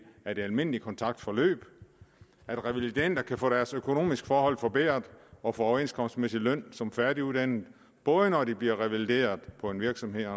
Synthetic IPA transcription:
æɐd̥e̝ælme̝n̰likʰɒ̽nt͡sʰɑ̈ɡ̥̚d̥fɒ̽lø̰ːb̥ | æd̥ʁɛʋilid̥en̰d̥ɐkʰæfɔ̽ːɾ̥æɐsøkʰo̝no̝̰ːmisɡ̥fɒːhɒ̽l̰fɒ̽b̥ḛːɐðˠɒ̽fɒ̽oɐe̝nskʰɒ̽msd̥mesilœn̰sɒ̽mfæɐdɾiud̥æn̰ð̩ˠ | b̥ɔ̽ːðˠənɒdib̥liɐʁɛʋæld̥e̝̰ːɐðˠpʰɒ̽e̝nʋiɐɡ̥sɒ̽mhe̝ð̰ˠ

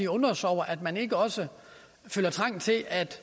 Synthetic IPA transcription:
iɔ̽nɐsɒʊɐʔæd̥mæne̝ɡ̥əɒ̽sə | følɐt͡sʰʁɑ̈ŋ̰t͡sʰe̝lʔæd̥

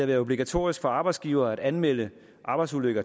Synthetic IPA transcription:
æɐʋæːɐo̝b̥liɡ̥æt͡sʰo̝̰ːɐisɡ̥fɒ̽ɑ̈ːb̥ɑɪ̥sɡ̥iːʊɐːæɾ̥ænmel̰ə | ʔɑ̈ːb̥ɑɪsuløɡ̥ɐ

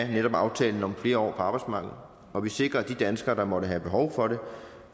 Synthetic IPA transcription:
neɾɒ̽b̥ɑ̈ʊt͡sʰɛ̰ːln̩ɒ̽mfle̝ːɐɒ̰ːpʰɒ̽ɑ̈ːb̥ɑ̈ɪd̥smɑ̈ːɡ̥ð̩ˠ | ʔɒ̽ʋise̝ɡ̥ʁɐæd̥id̥ænsɡ̥ɐɾ̥ɑ̈mɒ̽ɾəɦæb̥e̝ɦɒʊfɒ̽ɾe̝

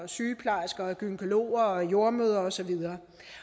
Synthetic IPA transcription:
syːpʰlɑ̈sɡ̥ɐɡ̥ynəkʰo̝lo̝̰ːɐɒjo̝ɐmøːð̞ˠɐɒsɒ̽ʋið̞ˠɐː

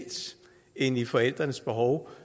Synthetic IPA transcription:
s | e̝nifɒ̽el̰d̥ʁɐnəsb̥e̝ɦɒʊ

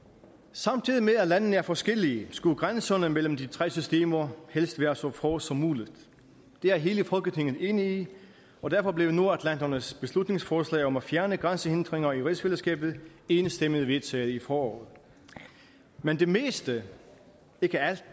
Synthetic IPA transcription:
sɑ̈mt͡sʰið̞ˠimeðˠælænn̩əæɐfɒ̽sɡ̥elisɡ̥uɡ̥ʁansɒnəmel̰m̩d̥it͡sʰʁɛ̰ːsysd̥e̝̰ːmɐhel̰sd̥ʋæːɐsɒfɒːsɒ̽muːlid̥ | d̥e̝æɐɦe̝ːləfɒ̽lɡ̥ət͡sʰe̝ŋ̰ð̩ˠe̝nəi | ɒ̽d̥æɐfɒ̽b̥le̝ʊno̝ɐæd̥lænd̥ɐnəsb̥e̝slud̥ne̝ŋsfɒːslɛ̰ːɒ̽mæfjæɐnəɡ̥ʁɑnsəe̝nd̥ʁeŋɐiʁisfelɐsɡ̥ɛ̰ːb̥ð̞̩ˠe̝ːnəsd̥eməðˠəʋe̝ðˠt͡sʰɛ̰ːð̩ˠifɒːɒ̰ːð̩ˠ | mend̥e̝me̝̰ːsd̥ə | e̝ɡ̥əæl̰d̥

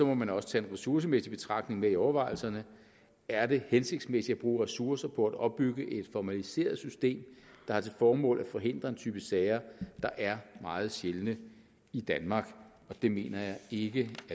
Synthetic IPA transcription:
sɒ̽mɒ̽mænɒ̽sə̥t͡sʰɛ̰ːenʁɛsuɐs̬əmesib̥e̝t͡sʰʁɑ̈ɡ̥ne̝ŋmeiɒʊɐʋɑ̈ɪl̩sɐnə | æɐde̝hense̝ɡ̥d̥smesid̥æb̥ʁuːʁɛsuɐsɐpʰɒ̽æd̥ɒ̽b̥ːyɡ̥əʔe̝d̥fɒmælise̝̰ːɐð̩ˠsysd̥e̝̰ːmd̥ɑ̈hɑ̈t͡sʰe̝lfɒːmɔ̰̽ːlæfɒ̽ɦe̝n̰d̥ʁɐe̝nt͡sʰyːb̥əsɛːɪɐd̥ɑ̈ʔæɐmɑ̈ːð̞̩ˠɕjelnə | id̥ænmɑ̈ːɡ̥ | ɒ̽d̥e̝me̝̰ːnɐjɑ̈ɪeɡ̥əæ

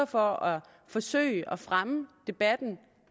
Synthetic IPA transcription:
ɐfɒɒ | fɒ̽sø̰ɪɒfʁaməd̥e̝b̥æd̥n̩

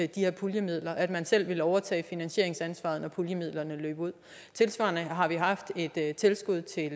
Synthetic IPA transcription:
d̥iheɐ̰pʰuljəmið̞̰ˠlɐʔæd̥mænsel̰ʋe̝ləɒʊɐt͡sʰɛ̰ːfinænɕe̝̰ɐ̰e̝ŋsænsʋɑ̰̈ð̞̩ˠnɒpʰuljəmið̰ˠlɐnəlø̰ːb̥uð̞̰ˠ | t͡sʰe̝lsʋɑ̰̈ːnəɦɑ̈ʋiɦɑ̈fd̥e̝d̥t͡sʰe̝lsɡ̥uð̞̰ˠt͡sʰe̝l

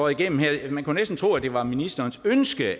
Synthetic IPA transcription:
ɒð̩ˠiɡ̥en̰m̩heɐ̰mænkunesd̥n̩t͡sʰʁṵːæd̥e̝ʋɑ̈minisd̥ɐːnsønsɡ̥ə

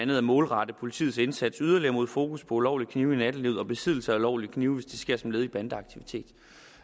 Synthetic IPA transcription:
ænð̩ˠæmɔ̽ːlʁɑ̈d̥əpʰo̝lit͡sʰḭð̩ˠse̝nsæd̥syð̞ˠɐliɐmo̝ð̞̰ˠfo̝ːkʰuspʰɒ̽ulɒʊ̰likʰniːʊinæd̥əliʊɒ̽b̥e̝sið̞ˠl̩səæulɒʊ̰likʰniːʊʋesd̥esɡ̥e̝ɐ̰sɒ̽mle̝ːð̞ˠib̥ænd̥əɑ̈ɡ̥̚t͡sʰiʋit͡sʰe̝̰ːd̥

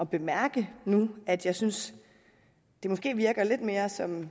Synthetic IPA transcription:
ɒ̽b̥e̝mæɐ̰ɡ̥ənuæd̥jɑ̈ɪsyns | d̥e̝mɔ̽sɡ̥e̝̰ːʋiɐɡ̥ɐle̝d̥me̝ːɐsɒ̽m

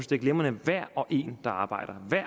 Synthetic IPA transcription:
sd̥eɡlemɐnəʋæɐ̰ɒ̽ʔe̝̰ːnd̥ɑ̈ɑ̈ːb̥ɑ̈ɪ̰d̥ɐʋæɐ̰

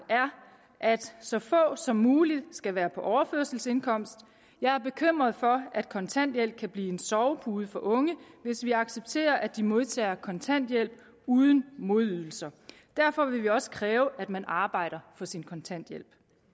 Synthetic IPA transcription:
æɐ | ʔæd̥sɒ̽fɔ̰̽ːsɒ̽mːuːlid̥sɡ̥æʋæːɐpʰɒ̽ʔɒʊɐføɐsl̩se̝nkʰɒ̽m̰sd̥ | jɑ̈ɪæɐb̥e̝kʰøm̰ʁɐð̞̩ˠfɒ̽æd̥̚kʰɒ̽nt͡sʰæn̰d̥jel̰b̥̚kʰæb̥liːe̝nsɒʊb̥uːð̞̩ˠfɒ̽ʔɔ̽ŋəʋe̝sʋiɑ̈ɡ̥seb̥̚t͡sʰe̝̰ːɐʔæd̥imo̝ð̞ˠt͡sʰɛ̰ːɐkʰɒ̽nt͡sʰæn̰d̥jel̰b̥̚ | uːð̞ˠən̩mo̝ðˠyðˠl̩sɐ | d̥æɐfɒ̽ʋe̝ʋiɒ̽sə̥kʰʁɛːʊʔæd̥mænʔɑ̈ːb̥ɑ̈ɪ̰ɾ̥ɐfɒ̽sinkʰɒ̽nt͡sʰæn̰d̥jel̰b̥

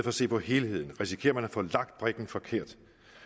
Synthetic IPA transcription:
fɒse̝̰ːpʰɒ̽he̝ːlhe̝ð̞̰ˠn̩ʁisi̥kʰe̝̰ːɐmænæfɔ̰̽ːlɑ̈ɡ̥d̥̚b̥ʁɛɡ̥n̩fɒ̽kʰe̝ɐ̰d̥

